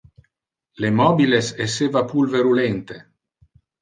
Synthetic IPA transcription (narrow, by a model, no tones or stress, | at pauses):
lemɔbilesesevapulveɾulent̪e